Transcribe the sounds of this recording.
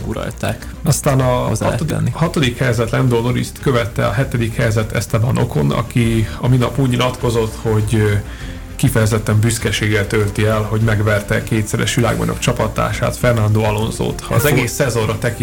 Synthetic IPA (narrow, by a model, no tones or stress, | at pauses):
ɡuɾɒ̰lt̪a̰ːk | ɒst̪aːnɒ̰od̪̰ihɒt̪o̞d̪ikhɛjzɛt̪lɛnd̪oːno̞ɾḭst̪kø̞vɛt̪ːɛɒɦɛt̪ɛd̪ikhɛjzɛt̪ʰɛst̪ɛbɒnʔo̞̰ko̞nɒ̰kiɒminɒpuːɟɲilɒt̪ko̞zo̞t̪ho̞ɟ | kifɛjɛzɛt̪ːɛmbyskɛʃeːɡɛt̪ølt̪iɛlɦo̞ɟmɛɡʋɛrt̪ɛkeːt̪sɛɾɛ̰ʃʋila̰ːɡbɒ̰ɲo̞̰kt͡ʃɒpɒt̪a̰ːʃa̰ːt̪fɛrnɔnd̪oːɒlo̞nzo̰ːt̪hɒːzɛɡeːsːɛzo̞nrɒt̪ɛki